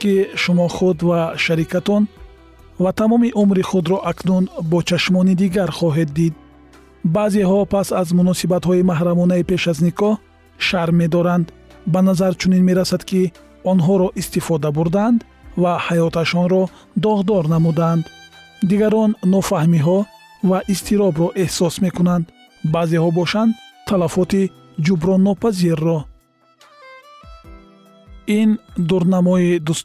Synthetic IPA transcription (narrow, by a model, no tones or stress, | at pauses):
kiʃumɔχud̪vaʃaɾikat̪ɔn | vat̪ʰamɔmiʔumɾiχud̪ɾɔʔaknunbɔt͡ʃʰaʃmɔnid̪iɡaɾχɔɦed̪ːid̪̚ | baːzeɦɔpʰasazmunɔsibat̪hɔimaɦɾamɔnaipe̞ʃaznikʰɔh | ʃaɾme̞d̪ɔɾand̪ | banazaɾt͡ʃʰuninme̞ɾasad̪kʰi | ɔnɦɔɾɔʔist̪ifɔd̪abuɾd̪and̪ | vahajɔt̪ʰaʃɔnɾɔ | d̪ɔʁd̪ɔɾnamud̪aːnd̪ | d̪iɡaɾɔnːɔfahmiɦɔ | vaʔist̪ʰiɾɔbɾɔʔe̞hsɔsme̞kunand̪ | bazehɔbɔʃand̪t̪ʰːalafɔt̪i | d͡ʒubɾɔnːɔpʰaziɾːɔ | ind̪uɾnamɔid̪u